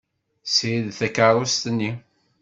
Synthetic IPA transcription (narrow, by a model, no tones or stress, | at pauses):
sjiðθækəɾˤʊst̪nːi